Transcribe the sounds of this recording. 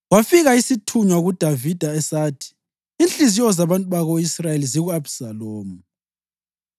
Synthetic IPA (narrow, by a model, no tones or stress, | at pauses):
ɣwafiɣaisitʰuɲwaɣud̥ʱavid̥ʱaɛsaːtʰi̥ː | nt͡ɬʼiziɔzaβantʼuβaɣoisrajeliziɣuabsaloːmu